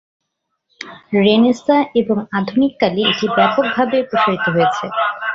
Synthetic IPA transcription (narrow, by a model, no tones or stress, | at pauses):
ɾenesaeboŋad̪ʱunikːalieʈibɛpok̚bʱabepɾoʃaɾit̪oɦojet͡ɕʰe